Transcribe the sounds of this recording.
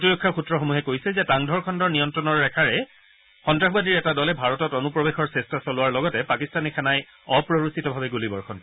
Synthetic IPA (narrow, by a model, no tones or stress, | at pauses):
tiɹɔkʰːaxutːɹɔxomuɦɛkojsɛzɛtaŋdʱɔɹkʰɔndɔɹnijɔntɹɔnɔɹːɛkʰaɹɛ | xɔntɹaxbadiɹɛtadɔlɛbʱaɹɔtɔtonupɹɔbexɔɹsestasɔlʊwaɹlɔɡɔtɛpakistanixʰanaj | ɔpɹoɹusitɔbʱabɛɡulibɔɹxʰɔn